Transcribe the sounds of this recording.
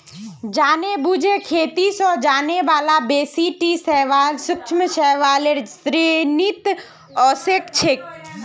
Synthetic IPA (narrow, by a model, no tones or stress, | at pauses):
d͡ʒaːnebud͡ʒʱekʰeːt̪isɔːd͡ʒaːneʋaːlabeːsiʈisɛːʋaːlsʊk̚ʃʰməʃɛɦʋaːleɾsɾenit̪ | ɔːsekt͡ʃʰek̚